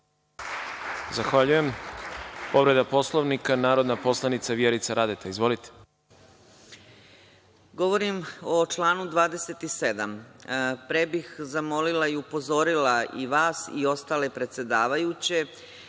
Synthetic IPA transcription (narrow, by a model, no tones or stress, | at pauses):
zaxʋaʎuje̞m | po̞ʋɾe̞d̪apo̞slˠo̞ʋnikanaːɾo̞d̪napo̞slˠanit̪saʋjeɾit̪saɾad̪et̪ʰaizʋo̞lit̪e̥ | ɡo̞ʋo̞ɾimo̞t͡ʃlˠaːnud̪ʋaːd̪e̞se̞t̪ise̞d̪ampɾebixzamo̞lilaiupo̞zo̞ɾilaiʋaːsio̞st̪ale̞pɾe̞t̪sʲje̞d̪aːʋajut͡ɕe̞